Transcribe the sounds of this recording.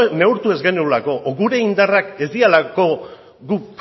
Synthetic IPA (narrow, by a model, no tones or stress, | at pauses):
ne̞uɾt̪ue̞zɡe̞nulako̞ʔoɣuɾe̞ind̪arakezialako̞ | ɡup